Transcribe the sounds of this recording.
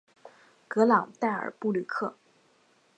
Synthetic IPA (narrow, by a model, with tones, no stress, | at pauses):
kɤ˧˥lɑ˨˩˦ŋt̪a˥˩ɪə̰˞˨˩pu˥˧li˥˩kʰɤ˥˩